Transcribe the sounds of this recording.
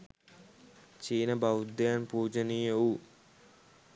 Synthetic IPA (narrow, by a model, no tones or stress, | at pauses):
t͡ʃiːnɐbɐwd̪jaːnpuːd͡ʒɐnijɐwu